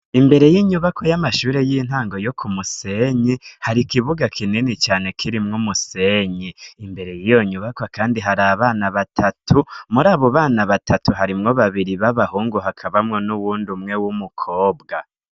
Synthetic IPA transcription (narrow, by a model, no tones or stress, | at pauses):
imbe̞ɾe̞jiːɲuβakʰojamaʃuːɾe̞jiːn̥haːŋɡo̞jokʰumuse̞ɲehaɾikiβuɡakʰininit͡ʃaːne̞kʰiɾimŋumuse̞ɲeimbe̞ɾe̞jijo̞ɲuβakwakaːndiɦaɾaβaːnaβatʰatʰumuɾaːβo̞βaːnaβatʰatuɦaɾimŋo̞βaβiɾiβaβahuːŋɡuɦakʰaβamŋonuβuːndumŋe̞wumukʰo̞ːb̚ɡa